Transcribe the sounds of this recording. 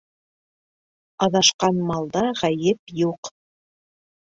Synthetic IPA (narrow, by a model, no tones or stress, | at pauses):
ɑðɑʃqɑnmɑlˠd̪ɑʁɑjɘpjuq